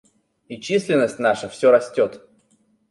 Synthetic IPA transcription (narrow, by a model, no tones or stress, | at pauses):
it͡ɕisʲlʲɪnːəsʲtʲnaʂəfsʲoɾɐsʲtʲo̞t̪